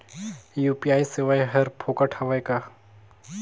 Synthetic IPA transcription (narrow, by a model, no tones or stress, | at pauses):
jupijaːiseʋaːjɦɐɾpʰoːkaʈʰɐʋajka